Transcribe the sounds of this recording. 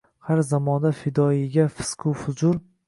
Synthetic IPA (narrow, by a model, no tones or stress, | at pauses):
haɾzamɒnd̪afɪd̪ɒɪɡʲafɪ̥skʰʊfʊzʊɾ